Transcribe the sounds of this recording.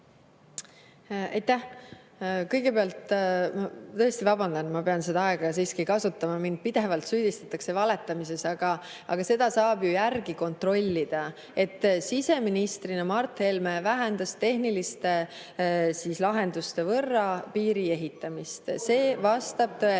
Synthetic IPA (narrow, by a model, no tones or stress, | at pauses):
ɑjt̪ːæh | kɤjɡ̥e̞peɑlt̪mɑt̪ɤ̞est̪ivɑbɑnd̪ɑnmɑpe̞ɑnsed̪ɑɑeɡ̥ɑs̬iːskikɑsut̪ːɑmɑmind̪̥̚pid̪̥e̞vɑlt̪syːd̪̥ist̪ɑ̥t̪ːˑɑkse̞vɑle̞t̪ːˑɑmis̬e̞sɑɡ̥ɑ | ʔɑɡ̥ɑse̞d̪̥ɑsɑːbjujærɡ̥iko̞nt̪ro̞lʲːid̪̥ɑ | e̞t̪ːˑsise̞minist̪rinemɑrt̪helmevæɦænd̪ɑst̪e̞ɦnilist̪e | siːslɑɦe̞nd̪̥ust̪e̞vɤrːɑpiːɾie̞ɦit̪ːˑɑmist̪se̞ːvɑst̪ɑb̥̚t̪ɤe